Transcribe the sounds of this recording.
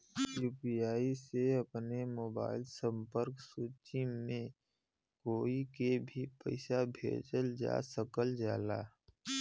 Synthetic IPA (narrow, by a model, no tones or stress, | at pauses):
juːpijaːiseɐpnemoːba̰ːɪlsə̃mpəɾksuːt͡ʃimẽ | koːikebʱipə̰ɪsabʱḛːd͡ʒəld͡ʒa̰ːsəkəld͡ʒaːla̰ː